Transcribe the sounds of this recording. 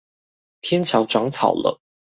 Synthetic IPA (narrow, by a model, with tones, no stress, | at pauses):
t̪ʰjɛ˥nt͡ɕʰjɑ˨˧˥ʊʈ͡ʂwɑ˧˥˦ŋt͡sʰɑ̰˨˩ʊlə̰˦